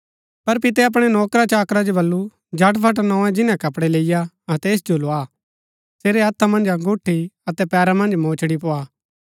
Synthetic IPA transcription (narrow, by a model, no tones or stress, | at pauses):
pɐɾpɪt̪̬ɛɐp̬ɽ̃ɛnɔːkɾat͡ʃaːkɾad͡ʒobɐlːu | d͡ʒʱɐʈpʰɐʈ̬nɔ̃ːɛ̃d͡ʒɪnãkɐpɽɛleːɪja | ɐt̪ɛːs̬d͡ʒoloaː | seːɾeɦɐt̪ʰːamɐ̃nd͡ʒaɡʊʈʰːiɐt̪ɛpɛːɾamɐ̃nd͡ʒmõːt͡ʃʰɽipoːaː